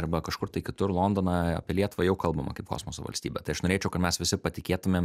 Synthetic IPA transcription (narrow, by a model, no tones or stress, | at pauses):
ɐɾbɐkɐʃkʊɾt̪ɐɪkʲɪt̪ʊɾlˠoːnd̪oːnɑɐ̰pʲiɛlʲiɛt̪ʊʋɐjɛʊkɐlˠbɐmɐ̰kɐɪpko̰ːsmoːso̰ːʋɐ̰lʲsʲt̪ʲiːbʲɛt̪ɐɪɐʃnoːɾʲeːt͡ʃʲɛʊkɐt̪mʲɛsʋʲɪsʲɪpɐt̪ʲɪkʲeːt̪ʊmʲeːm